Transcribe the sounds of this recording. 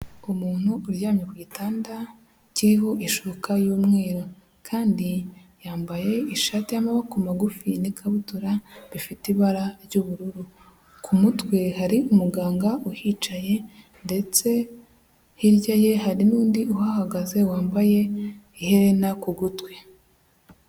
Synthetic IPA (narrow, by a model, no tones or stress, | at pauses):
umuːn̥huːɾjaːmɲekuɟitaːnda | ciɾiɦo̞ʔiʃukajuːmŋe̞ːɾo | kʰaːndijaːmbaje̞iʃaːtijamaβakumaɡufinikʰaβutuɾaβifitiβaɾaɾɟuβuɾuɾu | kʰumutwe̞haɾiumuɡaːŋɡaʔuhiːt͡ʃaje̞ | nde̞t͡se̞ | hiɾɟaje̞ɦaɾinuːndiʔuhahaɡaze̞waːmbaje̞ | ihe̞ɾe̞nakuɡutwe̞